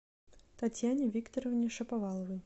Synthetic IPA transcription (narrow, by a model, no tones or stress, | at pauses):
t̪at͡sʲjanʲivʲikt̪ɔɾɔvʲnʲiʂɐpavalˠɐvɨj